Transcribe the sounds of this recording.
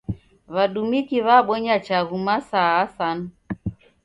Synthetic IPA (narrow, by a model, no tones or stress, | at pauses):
βaɗumikiβaɓɔɲat͡ʃaɣumasaːsanu